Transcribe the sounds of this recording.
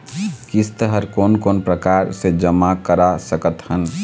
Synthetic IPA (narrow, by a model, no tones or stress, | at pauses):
kist̪əɦəɾkoːnkoːnpɾəkaːɾsed͡ʒəmakəɾasəkət̪hən